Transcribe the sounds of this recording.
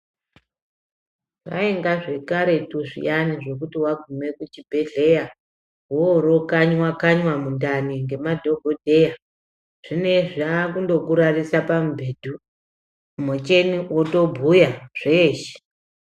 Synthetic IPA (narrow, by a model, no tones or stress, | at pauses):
ʋa̰eŋɡaʐe̞kaɾe̞tuʐḭjaniʐo̞k̬utiwaɡʱume̞kut͡ʃibʱeɮe̞ja | ɦwooɾo̞kaɲwakaɲwamundaniŋɡe̞madʱo̞ɡʱodʱe̞ja | ʐ̥ine̞ʐakundo̞kuɾarisapamubʱe̞ːdʱu | mot͡ʃe̞niʔoto̞bʱujaʐ̥eːʃe̥